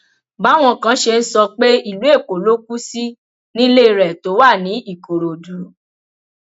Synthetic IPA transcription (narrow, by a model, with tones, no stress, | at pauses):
ba˨˦w̃ɔ̃˧kã˦ʃe˧n̩˦sɔ˧k͡pe˦i˦˨lu˨˦e˦˨ko˨lo˦k̚u˦si˦ | nĩ˦le˦i˧ɾɛ˨to˨˦wa˦˨nĩ˨˦i˦˨ko˨ɾo˨du˨˦